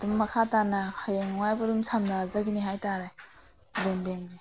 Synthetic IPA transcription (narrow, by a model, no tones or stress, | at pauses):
dumːɐkʰatanɐhajeŋuajbɐdumsʰamnazaɡiniɦajtaɾaj | benbenze